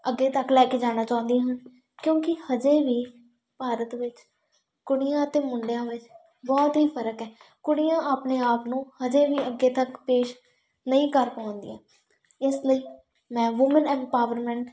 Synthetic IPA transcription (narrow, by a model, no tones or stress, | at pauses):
əɡːeːt̪əklɛːkeːd͡ʒaːñaːt͡ʃaːʊ̃nd̪iãːɦən | kjõːkɪhəd͡ʒeːʋiː | paːɾət̪ʋɪt͡ʃ | kʊɽɪjãːət̪eːmʊɳɖɪjãːʋɪt͡ʃ | bɔːt̪ɦiːpʰəɾəkɦɛː | kʊɽɪjãːʔaːpneːaːpnũːhəd͡ʒeːʋiːəɡːeːt̪əkpeːʃ | nəĩːkəɾpãʊ̃nd̪ḭãː | ɪsləiː | mɛ̃ːʋʊmənɛ̃ɳʈpaːʋəɾmɛ̃ːɳʈ